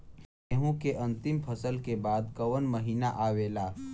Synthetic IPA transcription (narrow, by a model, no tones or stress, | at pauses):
eɦõkeʔɐ̃nt̪ɪmpʰɐsəlkebaːd̪kɐwənməɦiːnaʔaːweːlaː